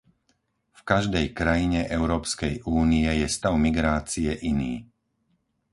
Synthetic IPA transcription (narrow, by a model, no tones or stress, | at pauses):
fkaʒd̪ɛjkɾajiɲɛʔɛʊɾɔːpskɛjʔuːnijɛjɛst̪aʊmiɡɾaːt͡sijɛʔiniː